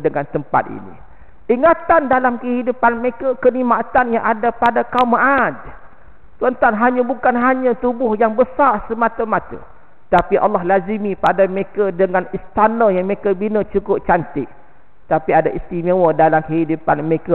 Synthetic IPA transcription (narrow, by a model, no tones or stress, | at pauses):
dəŋant̪əmpa̰t̪̚ḭnḭ | ʔiŋat̪andalamkəhidupanməekəkənimaʔt̪anjaŋʔadapadakaumːaʔad̪ | t̪uənt̪anɦaɲãbukanɦaɲãt̪ubʊhjaŋbəsarsəmat̪əmat̪ə̰ | t̪apiʔɑ̰lːɑɦlazimipadamekədəŋanist̪anəjaŋmekəbinət͡ʃukʊp̚t͡ʃant̪ɪk̚ | t̪apiadaʔist̪imewədalamkəhidupanməekə